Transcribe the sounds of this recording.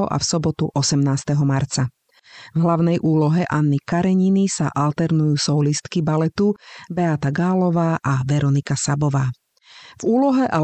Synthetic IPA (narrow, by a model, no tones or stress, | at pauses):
ɔʔa̰fsɔbɔt̪uʔɔsɛmnaːst̪ɛɦɔmaɾt͡sa | vɦlaʊnɛjʔuːlɔɦɛʔanːikaɾɛɲinisaʔalt̪ɛɾnujuːsɔlist̪kibalɛt̪ubɛat̪aɡaːlɔʋaːʔaʋɛɾɔnikasabɔʋaː | vuːlɔɦɛʔa